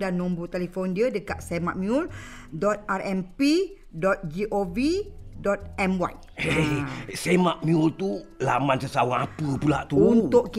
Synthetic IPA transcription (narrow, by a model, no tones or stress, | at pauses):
danːɔ̃mbut̪ɛlifɔndiədəkaʔsɛmaʔ̚mjul | dɔt̪̚aɾɛmpi | dɔt̪̚d͡ʒiʔovidɔt̪̚ɛmwa̰j | esemaʔmiult̪ulamãnsəsawaŋapəpula̰ʔt̪uut̪ʊʔki